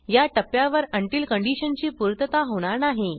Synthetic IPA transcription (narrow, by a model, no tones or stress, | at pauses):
jaʈəpjaʋəɾəɳʈiːlkəɳɖiɕənt͡ɕiːpuɾt̪ət̪aɦoɽ̃aɾnaɦe